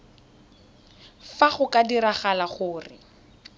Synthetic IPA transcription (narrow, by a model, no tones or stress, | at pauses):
faχʊkadiɾaχalaχʊːrɪ̰